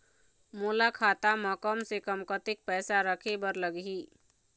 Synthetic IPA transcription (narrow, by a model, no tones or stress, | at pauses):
mulakʰat̪amə̃kəmsekəmkət̪ik̚pɛːsaɾəkʰebəɾləɡɦi